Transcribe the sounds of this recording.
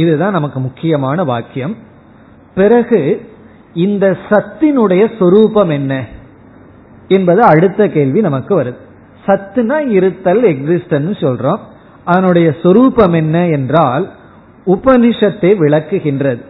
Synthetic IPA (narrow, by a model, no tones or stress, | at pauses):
ɪðɯt̪ãːnɐmɐkːɯmʊkːɪjɐmaːnɐʋaːkːɪjɐm | pɪɾɐɣɯ | ɪnd̪ɐsɐt̪ːɪnɯɽɐjɐswɔɾuːpɐmɛnːɐ | ɛnbɐðɯɐɽɯt̪ːɐkeːɭʋinɐmɐkːɯʋɐɾɯðɯ | sɐt̪ːɯnaːɪɾɯt̪ːɐlɛksɪsʈɐnnːɯsɔlrõː | ɐðɐnɯɽɐjɐswɔɾuːpɐmɛnːɐɛndraːl | ʊbɐnɪʂɐt̪ːeːʋɪɭɐkːɯɣɪndrɐðɯ